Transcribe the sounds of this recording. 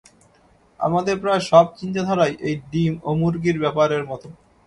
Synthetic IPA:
a̰mad̪eɾpɾaeʃɔb̚t͡ɕint̪ad̪ʱɔɾajʔejɖimomuɾɡiɾbɛpaɾeɾmɔt̪o

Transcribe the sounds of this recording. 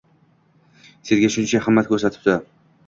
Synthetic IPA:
sezɡʲaʃʊnt͡ʃʰahamːat̪̚kʰɵɾsat̪ʰɪ̥p̚d̪ɪ

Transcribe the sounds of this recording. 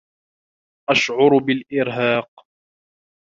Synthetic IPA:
ʔaʃʕʊɾbɪlʔɪɾɦaːq̚

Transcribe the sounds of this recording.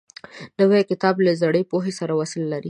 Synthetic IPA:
nəwɛkɪt̪ɑblazaɽepoɦesaɾawasɪlːaɾi

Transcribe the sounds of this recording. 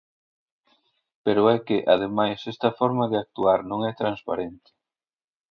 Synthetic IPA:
peɾʊɛkɪʔaðemajsɛst̪ɐfɔɾmɐðɪak̚t̪uaɾnõŋɛt̪ɾanspaɾent̪ɪ̥

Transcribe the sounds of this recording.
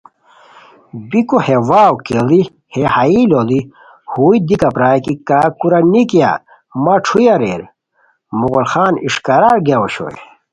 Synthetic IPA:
bikohewaːwkeli | hehailoli | huːid̪ikapɾaːjkikakuɾanikija̰ | maʈ͡ʂʰujaɾḛːɾ | muɣolxaːniʂkaɾaɾɡeoɕo̰ḛ

